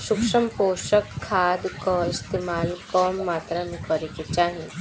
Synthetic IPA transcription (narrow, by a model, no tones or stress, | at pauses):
ʃʊkʃəmpoːʃəkʰːaːd̪kɔɪst̪eːmaːlkɔmːaːt̪ɾamẽkəɾeket͡ʃaːɦiẽ